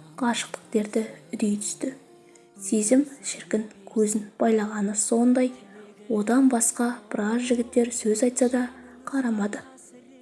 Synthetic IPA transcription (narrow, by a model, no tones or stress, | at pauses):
qʰɑʃə̥q̚t̪ə̥qt̪e̞ɾd̪ɪʏd̪ejt̪ʰʏ̥st̪ɪ | sezɪmʃɪɾkʲɪŋkʲʰɵzɪnb̥ɑjlˠɑʁɑnəso̞nd̪ɑjwo̞d̪ɑnbɑsqɑb̥əɾɑsʒɪɡʲɪt̪ːe̞ɾsɵzɑjt̪sɑd̪ɑqʰɑɾɑmɑd̪ə